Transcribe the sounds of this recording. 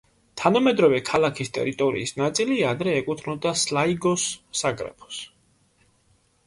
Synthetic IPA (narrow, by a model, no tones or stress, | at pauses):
t̪ʰanamɛd̪ɾɔvɛkʰalˠakʰist̪ʼɛ̰ɾit̪ʼɔɾḭːsnat̪sʼiliad̪ɾɛːkʼut̪ʰnɔd̪aslaiɡɔsːaɡɾɛ̰pʰɔ̥s